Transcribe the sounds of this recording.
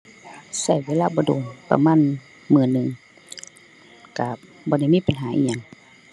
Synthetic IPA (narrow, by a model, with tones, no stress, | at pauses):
sa˧˩jweː˧˥˨laː˧˨bɔː˧doː˨˩npa̰˧maː˧˥˨n | mɯː˧˩nːɯ˨˩ŋ | ka˧˩ | bɔː˧˦da˧˩jmiː˧˥˨pa˨nɦaː˨˦ʔḭː˧˨ɲa˧˦ŋ